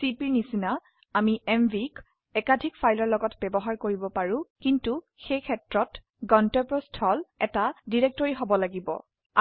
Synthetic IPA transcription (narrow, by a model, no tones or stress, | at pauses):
sipiɹnisina | amiʔɛmbik | ɛkadʱikfʰajlɔɹlɔɡɔtbɛbɔɦaɹkoɹibɔpaɹũkintu | xejkʰɛtɹɔt | ɡɔntɔpɹɔstʰɔlɛtadiɹɛk̚tɔɹiɦobɔlaɡibɔ̰